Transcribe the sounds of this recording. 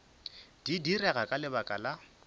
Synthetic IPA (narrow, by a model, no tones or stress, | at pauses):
d̥idirɛɣakʼalɪbakʼala